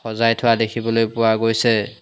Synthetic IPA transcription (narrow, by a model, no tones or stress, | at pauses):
ɔzajtʰʊwadekʰibɔlojpʊwaɡojsɛ